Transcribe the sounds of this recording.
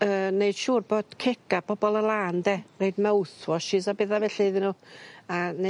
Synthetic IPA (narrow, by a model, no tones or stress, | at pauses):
əːneɨd̥ʃuːrboːd̥kʰɛɡab̥ɔbɔlˠəlˠaːndɛrejdmɛwθwɔʃɪzabɛðavɛɬeðɪnuːane